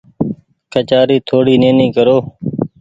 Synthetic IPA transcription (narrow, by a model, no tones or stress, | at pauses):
kʰət͡ʃaːɾiːt̪ʰoːɽiːnẽːnĩːkəɾoː